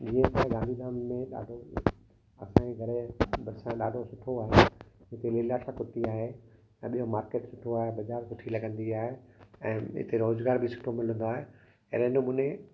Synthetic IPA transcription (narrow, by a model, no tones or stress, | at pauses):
d͡ʑiːə̃t̪aɡãnd̪ʱid̪aːmːẽɗa̰ːɖʱo | ɐ̰sãɲeɡʱɐɽebɐɾsãɗaːɖʱosʊʈʰoaːɦeɦɪt̪eleːlaːʃakʊt̪iaːɦẽ | ɓijomaːɾkeːʈsʊʈʰoaːɦebɐd͡ʑaːɾsʊʈʰilɐɡə̃nd̪iaːɦeɛ̃ːɪ̰t̪eɾoːzɡaːɾbʱisʊ̥ʈʰomɪl̤ə̃nd̪oaːɦe | ḛɾənomʊnẽ